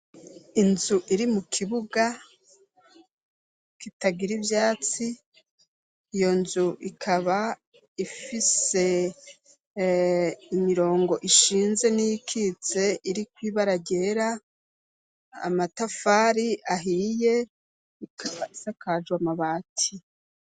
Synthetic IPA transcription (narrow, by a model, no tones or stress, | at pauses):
inzuʔiɾimukʰiβuɡa | kitaɡiɾivjaːt͡si | jo̞nzuʔikʰaβa | ifise̞ | imiɾo̞ːŋɡo̞ʔiʃiːnze̞nijikʰit͡se̞ʔiɾikwiːβaɾaɟeɾa | matafaːɾiʔaɦije̞ | ikʰaβaisakad͡ʒɡwamaβaːtʰi